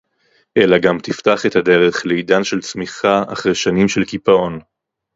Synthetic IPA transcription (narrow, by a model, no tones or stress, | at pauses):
ʔelaɡamt̪iftaχet̪hade̞ʁe̞χleidanʃe̞lt͡smiχaa̰χʁejʃanimʃelkipaon